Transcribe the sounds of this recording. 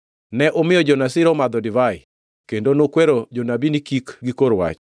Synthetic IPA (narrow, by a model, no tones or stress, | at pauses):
nɛʔomɪjɔd͡ʒɔnasɪɾɔmad̪ɔdɪvaɪ | kendonokweɾod͡ʒonabinikikɡɪkoɾwa̰t͡ʃ